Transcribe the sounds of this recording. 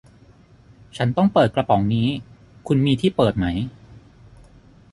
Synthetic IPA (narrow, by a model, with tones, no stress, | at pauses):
t͡ɕʰa˦˥nt̪ɔ˥˩ŋpɤː˨˩t̪̚kla˧pɔ˩˦ŋniː˦˥ | kʰu˧nmiː˧t̪ʰiː˥˩pɤː˨˩t̪̚ma˦˥j